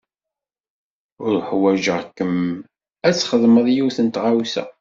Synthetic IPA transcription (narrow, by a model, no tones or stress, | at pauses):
ʊɾħwæʒəʁkːəm | æt͡sːχəðˤməðˤjuwθənt̪ʁawsæ̰